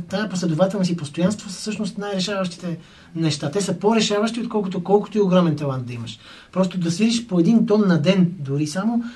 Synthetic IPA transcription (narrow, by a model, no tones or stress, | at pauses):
t̪aɛposlɛd̪ʊvat̪ɛlˠnosipost̪ojanst̪vossɤʃnost̪najɾɛʃavɐʃt̪i̥t̪ɛ | nɛʃt̪at̪ɛsəpoɾɛʃavɐʃt̪iot̪̚kɔlˠkot̪okɔlˠko̥t̪oioɡɾɔmɛnt̪ɐlˠant̪̚d̪ɐiməʃ | pɾɔst̪od̪ɐsvid̪iʃpoɛd̪int̪ɔnːɐd̪ɛnd̪ʊɾisamo